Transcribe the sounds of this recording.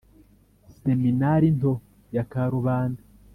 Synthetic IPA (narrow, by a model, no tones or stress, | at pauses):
seminaɾinto | jakaɾuβaːnda